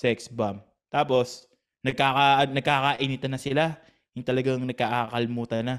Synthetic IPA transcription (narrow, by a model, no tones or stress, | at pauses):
sɛksbam | t̪aːpo̞s | nɐɡ̚kaːkanɐɡ̚kaːkaʔɪnɪt̪ɐnɐsɪla | jʊŋt̪ɐlɐɡaŋnɐɡ̚kaːʔaːkɐlɪmuːt̪ɐnːa